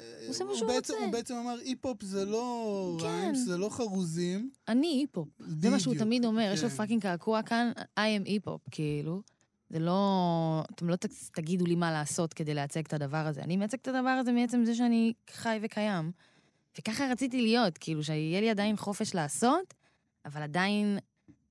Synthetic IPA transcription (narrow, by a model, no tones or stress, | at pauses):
ozemaʃueet͡sebeet͡semamaʁipopzelo̞ʁkamnzelo̞χaʁuzimaniipo̞p̚zemaʃeut̪amid̪o̞me̞ʁjeʃlofakiŋkakʰuakanajemʔipo̞̰pkʰiːlu | zelo̞a̰t̪emlo̞t̪t̪aɡid̪ulimalaːso̞t̪ke̞dejleat͡seɡt̪ad̪avaʁaze̞̰a̰nimeat͡seɡ̥̚tad̪avaʁaze̞miet͡se̞mzeʃ̬eaniχajve̞kʰajam | ve̞kaχaʁat͡sit̬ilijo̞tkiːluʃ̬eijeliadainχo̞fe̞ʃlaːso̞t | avaladain